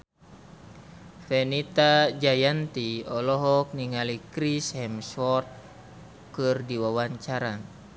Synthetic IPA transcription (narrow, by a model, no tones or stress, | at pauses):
fɛnit̪ad͡ʒajant̪iɔlɔɦɔk̚niŋalikɾishɛmswɔt̪̚ | kɨrdiwawaɲt͡ʃaɾa